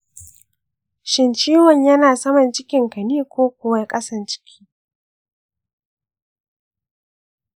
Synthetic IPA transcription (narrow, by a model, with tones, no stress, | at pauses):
ʃɪ˨nt͡ʃiː˦wɔ˨ɲjɐ˦naː˨sɐ˦mɐ˨nt͡ʃɪ˦kʲɪ˨ŋkɐ˨niː˦kʷoː˦kʷʊ˨wa˨jkʼɐ˦sɐ˨nt͡ʃɪ̥˦kʲʰi̥ː˦